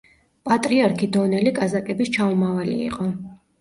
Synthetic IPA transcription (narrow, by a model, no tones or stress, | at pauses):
pʼat̪ʼɾiaɾkʰid̪ɔnɛlikʼazakʼɛbist͡ʃʰaumavalḭḭqʼɔ